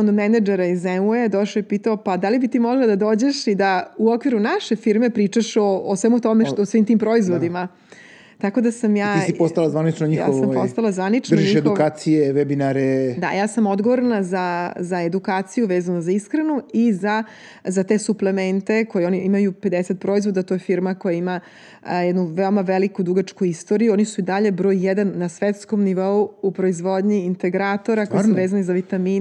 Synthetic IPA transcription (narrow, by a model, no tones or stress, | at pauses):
ond̪omenad͡ʒeɾaizeued̪oʃoipiːt̪aopad̪alibit̪iːmoɡlˠad̪ad̪oːd͡ʑeʃid̪auokʋiɾunaʃe̞fiɾmepɾiːt͡ʃaʃoosʋemut̪omeʃosʋiːmt̪iːmpɾo̞izʋod̪ima | t̪ako̞d̪asamjaːissipost̪alazʋanit͡ʃnoɲijxa̰ːoampost̪alazʋanit͡ʃnd̪oʒiiʃexd̪uokaːt̪sijeʋebinaɾed̪a̰jaːsamo̞d̪ɡoʋoɾnazazaed̪ukaːt̪sijuʋeːzanozaiskɾenuiza | zat̪e̞suplˠement̪e̞ko̞jeoniimajupe̞d̪eset̪̚pɾo̞izʋo̞d̪at̪o̞jefiɾmako̞jaima | jɛd̪nuʋeomaʋelikud̪uɡat͡ʃkuist̪o̞ːɾijuonisuid̪aʎe̞bɾo̞jjed̪anːasʋet̪sko̞mniʋo̞uupɾo̞izʋo̞d̪ɲiːnt̪eɡɾat̪o̞ɾakojsuʋeːzanizaʋit̪amiː